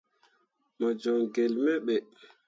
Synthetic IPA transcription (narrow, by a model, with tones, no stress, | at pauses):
ma˨d͡ʒɔ˨ŋɡɛ˨lmɛ˦ɓɛ˨